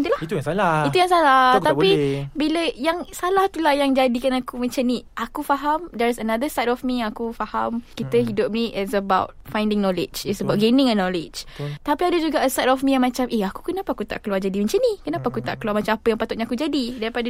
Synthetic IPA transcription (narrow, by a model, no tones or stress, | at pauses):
nt̪ulahit̪ujaŋsalait̪ujaŋsalat̪apibiləjaŋsalaht̪ulahjaŋd͡ʒadikanakumə̃ɲt͡ʃaniʔakufaɦamdaɾasənad̪əst̪atɔfmĩjaŋakufahamkit̪əɦidʊp̚niʔɛsəbawt̚fajndɪŋnɔlɪ̰d͡ʒɛsəbawʔ̚ɡenɪ̃ŋənɔlɪd͡ʒt̪apiadəd͡ʒuɡaəstatɔfmĩjaŋmãt͡ʃameaku̥kənapaakut̪a̰ʔkəluward͡ʒadimə̃ɲt͡ʃanikənapaakut̪a̰ʔkəluaɾmãt͡ʃamapəjaŋpat̪ʊt̪ʔ̚ɲaakud͡ʒadidaɾipada